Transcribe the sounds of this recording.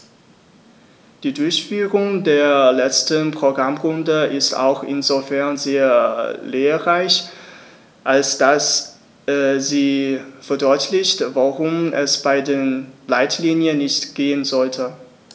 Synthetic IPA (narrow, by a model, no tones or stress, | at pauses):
d̥iːdʊɐçfyːʁʊŋdeːɐlɛt͡stənpʁ̥oɡʁamʁʊndəʔɪsta̰ʊxʔɪ̰nzofɛɐnzeːɐleːɐʁaɪç | ʔalsd̥as | ziːfɛɐdɔʏtʰlɪçtvaʁʊmʔɛsb̥aɪdeːnlaɪtʰliːnjənːɪçtɡ̥eːənzɔltʰə